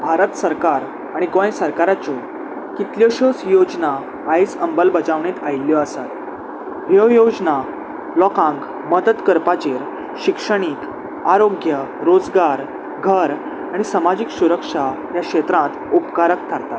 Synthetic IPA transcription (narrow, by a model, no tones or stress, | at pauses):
bʱaɾət̪səɾkaɾ | aɽ̃iɡojsəɾkaɾat͡ɕɔ | kit̪ljɔɕosjod͡znaː | jd͡zəmbəlbəd͡zaʋɳet̪ajljɔəsat̪ | ɦjəjod͡zna | lɔkãŋk | məd̪ət̪kəɾpat͡ɕeɾ | ɕikʂəɽ̃ik | aɾoɡjəɾod͡zɡaɾ | ɡʱəɾ | aɽ̃isəmad͡ʑiːksuɾəkʂa | jaɕet̪ɾãt̪upkaɾək̚t̪ʰaɾt̪at̪